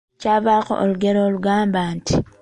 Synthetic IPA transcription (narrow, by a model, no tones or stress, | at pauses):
caβaxo̰ʔoluɡeɾoluɡaːmbaːnti